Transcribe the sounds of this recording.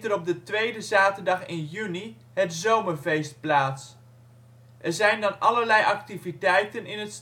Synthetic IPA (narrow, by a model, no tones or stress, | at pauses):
təɾɔb̚dətʋejdəzaːtəɹdɑχɪnjyni | ɦətzowməɹvejst̚plaːts | ʔɛɹzɛjndɑnɑləɹlɛjʔɑk̚tivitɛjtənɪnəts